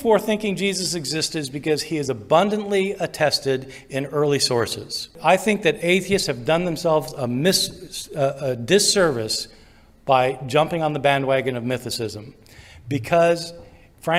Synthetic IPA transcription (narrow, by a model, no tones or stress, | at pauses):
fɔɹθɪ̃ŋkɪ̃ŋd͡ʒizɨsɨɡzɪstɨzbɨkʌz̥iɨzəbʌ̃ndɨ̃nʔliɨtʰɛstɪɾ | ɨ̃nɜ˞lˠisɔɹsɪ̰z̥aɪθɪ̃ŋk̚ðɨɾeɪθiɨshɨvdʌ̃nðɨ̃msɛlˠvzəmɪs | ədɨsɜ˞vɨs | b̥aɪd͡ʒʌ̃mpɪ̃ŋə̃nðəbæ̃nd̚wæɡɨ̃nʌvmɪθɨsɪzə̃m | bɨkʰʌz̥ | fɹæ̃